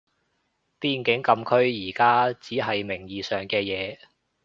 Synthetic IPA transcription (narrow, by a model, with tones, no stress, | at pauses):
piː˧nkɪ˨˥ŋkɐ˧mkʰɵ˥ɥjiː˨˩kaː˥t͡siː˨˥ɦɐ˨jmɪ˨˩ŋjiː˨sœː˨ŋkɛː˧jɛː˨˧